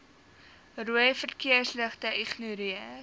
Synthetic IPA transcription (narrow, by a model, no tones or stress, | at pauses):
ruəjfərkiəsləχtəʔiχnuɾiə